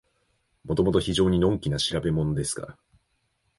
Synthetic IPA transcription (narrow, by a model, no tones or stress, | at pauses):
mo̞t̪o̞mo̞t̪̬o̞çiʑo̞ːɲ̟inõ̞ŋkʲinaɕiɾabe̞mo̞no̞d̪e̞sɨ̥ka̰ɾa